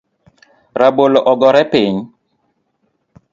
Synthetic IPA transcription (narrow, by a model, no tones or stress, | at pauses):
ɾaboloʔɔɡɔɾɛpeɲ